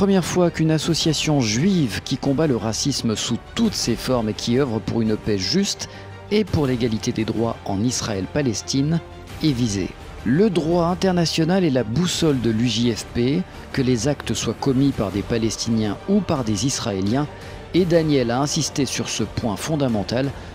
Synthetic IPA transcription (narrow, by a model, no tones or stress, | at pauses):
pχəmjɛʁfwakynasɔsjasjɔ̃ʒɥivkʲikɔ̃baləʁasisməsut̪ut̪sefɔʁmekʲʰiœvʁəpuʁynpɛʒyst̪ | epuʁleɡalit̪ed̪ed̪ʁwaɑ̃nisχaɛlpalɛst̪in | ɛvizḛ | ləd̪ʁwaɛ̃t̪ɛʁnasjɔnalɛlabusɔld̪əlyʒiɛfpe | kəlezakt̪əswakɔmipaʁd̪epalɛst̪injɛ̃upaʁd̪ezisχaeljɛ̃ | ed̪anjɛlaɛ̃sist̪esyʁsəpwɛ̃fɔ̃d̪amɑ̃t̪al